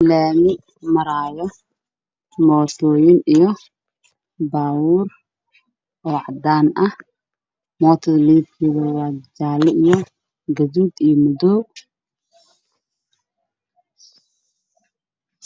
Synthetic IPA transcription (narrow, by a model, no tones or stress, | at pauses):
laːmɪ | mɐɾaːjɔ | mɔːt̪ʰɔːjɪnijɔ | baːwuːr | ʔɔːʕɑd̪aːnʔɐh | mɔːt̪ʰɐðliːb̚kʰiβɐwɑːd͡ʒaːlɛʔijɔ | ɡɐðuːd̪ijɔmʊdɔː